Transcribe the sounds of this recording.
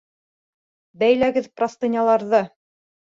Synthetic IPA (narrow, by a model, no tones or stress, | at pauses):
bæjlæɡɘðprast̪ɤ̆nʲɑlˠɑɾðɤ